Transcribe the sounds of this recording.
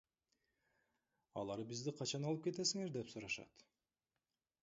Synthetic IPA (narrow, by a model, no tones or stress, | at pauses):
ɑ̰lˠɑɾbizd̪iqʰɑt͡ʃɑnɑlˠɯpke̞t̪e̞siŋe̞ɾd̪e̞psuɾɑʃɑ̰t̪